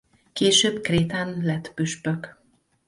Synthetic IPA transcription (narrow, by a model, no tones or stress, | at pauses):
keːʃøːbkreːt̪anlɛt̪byʃpøk